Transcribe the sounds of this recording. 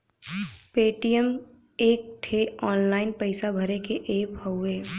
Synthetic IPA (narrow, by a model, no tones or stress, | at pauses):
peːʈijəm | eːk̚ʈʰeɔːnlaːɪnpəɪsabʱəɾekeʔeːpəʊeː